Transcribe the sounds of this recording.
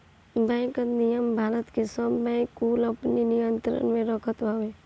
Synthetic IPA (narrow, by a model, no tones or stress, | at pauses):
bɛ̃ːkət̪nijəmbʱaːɾət̪kesəbːɛ̃ːkːuːlɐpninɪjənt̪ɾə̰nmẽɾəkʰət̪ʋaʋe